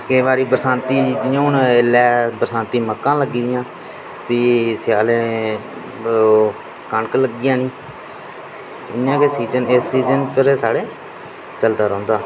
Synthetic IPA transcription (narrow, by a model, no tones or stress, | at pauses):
kɪːʋaːɾiːbəɾsãːnt̪iːd̪ɪjãːʊnelɛːbəɾsãːnt̪iːməkːãːləɡiːd̪ɪjãː | piːsɪjaːlẽː | kəɳkləɡɪjãːnĩː | ɪãːkesiːzənesːiːzənpʰɪɾsaːɽeː | t͡ʃəld̪aːɾɔ̃ːnd̪aː